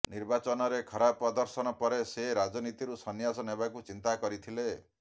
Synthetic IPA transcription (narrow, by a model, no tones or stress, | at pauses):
niɾbat͡ʃɔnɔɾekʰɔɾapɾɔd̪ɔɾsɔnɔpɔɾeseɾad͡ʒɔnit̪iɾusɔnjasɔnɦebakut͡ʃint̪akɔɾit̪ʰile